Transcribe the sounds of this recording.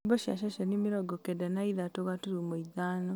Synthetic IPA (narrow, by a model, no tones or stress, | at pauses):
bɔʃa̰ʃ̬aʃanimiɾɔɡɔkedɛnaiðatoɣatuɾumoiðaːnɔ